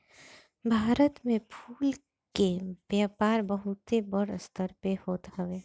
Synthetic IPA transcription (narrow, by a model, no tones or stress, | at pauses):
bʱaːɾət̪mẽpʰuːl | keʋjapaːɾbəɦʊt̪ebəɽst̪ʰəɾpehoːt̪ɦəʋeː